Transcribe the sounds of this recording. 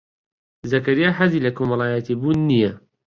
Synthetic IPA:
zɐkɐɾijaːɦɐziːlɐkʰomɐlˠaːjat̪ʰibuːnːijɐ

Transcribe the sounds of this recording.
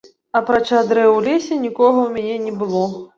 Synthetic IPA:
ɐpɾat͡ʂad̪ɾɛwlʲesʲɛnʲikɔɣɐwmʲanʲɛnʲɛbɨlˠɔ

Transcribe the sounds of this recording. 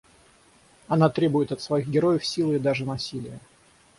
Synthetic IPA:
ɐnat̪ɾʲe̞bʊjɪt̪ɐt̪svɐiɣɡʲɪɾo̞jəfsʲilˠɪd̪aʐɨnɐsʲilʲɪjə

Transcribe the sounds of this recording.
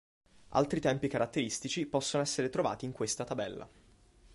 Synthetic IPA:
a̰lt̪ɾit̪ɛmpikaɾat̪ːeɾist̪it͡ʃipɔsːonoɛsːeɾet̪ɾova̰ːt̪iːŋkwest̪at̪abɛlːa̰

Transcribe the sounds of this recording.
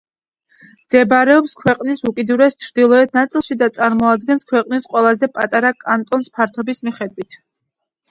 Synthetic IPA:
md̪̥ɛbɾɛɔpskʰwɛqʼnisukʼid̪uɾɛst͡ʃʰɾd̪ilˠɔɛt̪ʰnat̪sʼilˠʃid̪at̪sʼaɾmɔad̪ɡɛnskʰwɛqʼnisqʼwɛlˠazɛpʼat̪ʼaɾakʼant̪ʼɔnspʰaɾt̪ʰɔbismiχɛd̪wit̪ʰ

